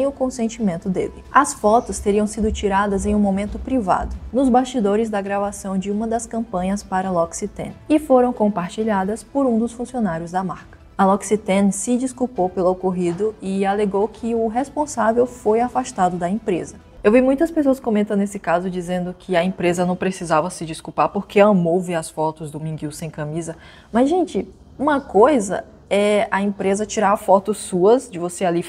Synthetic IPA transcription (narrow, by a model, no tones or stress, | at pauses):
sẽj̃ʊkõsẽnt͡ʃimẽnt̪ʊd̪ḛlɪɐsfɔt̪ʊst̪eɾiɐ̃w̃sid̪ʊt͡ʃiɾad̪ɐzẽj̃ũmomẽnt̪ʊpɾiva̰d̪ʊnʊzbaʃt͡ʃid̪oɾɪzd̪ɐɡɾavasɐ̃w̃d͡ʒɪũmɐd̪ɐskɐ̃mpɐ̃ɲɐspaɾɐlɔksit̪ɛ̰̃nɪfoɾɐ̃w̃kõpaɾt͡ʃiʎad̪ɐspoɾũd̪ʊsfũsionaɾjʊzd̪ɐmaɾkɐ̥ɐlɔksit̪ɛ̃nsɪd͡ʒiskupowpelʊokoɦid̪ʊɪaleɡowkʰɪʊɦespõsavewfojafaʃt̪ad̪ʊd̪ɐẽpɾezɐ | ewvimũj̃t̪ɐspesoɐskõmẽnt̪ɐ̃esɪkazʊd͡ʒizẽnd̪ʊkʰɪɐẽpɾezɐnɐ̃w̃pɾesizavɐsɪd͡ʒiskupaɾpoɾkeɐmowveɾɐsfɔt̪ʊzd̪ʊmĩɡiwsẽj̃kɐ̃mizɐ | mɐzʒẽnt͡ʃɪ | ũmɐkojzɐ̰ | ɛɐẽpɾezɐt͡ʃiɾaɾfɔt̪ʊsːuɐsd͡ʒɪvoseali